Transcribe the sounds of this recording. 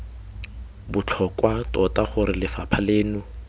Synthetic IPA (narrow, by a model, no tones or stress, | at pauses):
bʊt͡ɬʰɔkwatʼɔtaχʊɾɪlɪfapʰaleːnʊ